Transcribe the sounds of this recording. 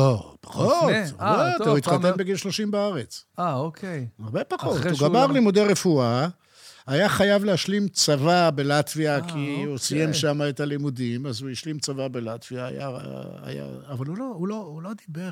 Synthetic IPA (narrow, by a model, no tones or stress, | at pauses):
opḁχotot̪uit̪χat̪enbeɡilʃlo̞ʃimbaaʁe̞t͡saokʰejaʁbepaχo̞thuɡamaʁlimud̪eʁefua | ajaχajavlehaʃlimt͡savabe̞lat̪viakʰiusijemʃamaet̪alimud̪imazujiʃlimt͡savabelat̪v̥iaːja̰a̰ja̰ːvalulohuloulod̪ibe